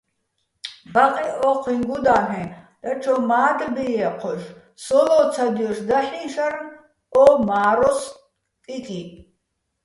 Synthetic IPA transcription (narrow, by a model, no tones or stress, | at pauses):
baqʼiʔɔqʰiŋɡud̪aːɦɛ̃d̪̥at͡ʃʰɔmaːd̪bijɛqʰɔʃ | sɔlɔt͡sʰad̪ijɔʃd̪aħĩʃaɾn | ɔmaːɾɔs | kʼikʼi